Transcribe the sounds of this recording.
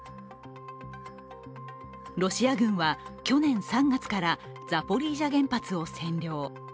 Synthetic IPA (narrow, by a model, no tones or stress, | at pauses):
ɾo̞ɕiaɡɯ̟̃ɰ̃βakʲo̞nẽ̞ɰ̃sãŋɡat͡sɨ̥kaɾa | d͡zapo̞ɾʲiːʑaɡẽ̞mpat͡sɨo̞sẽ̞nɾʲjo̞ː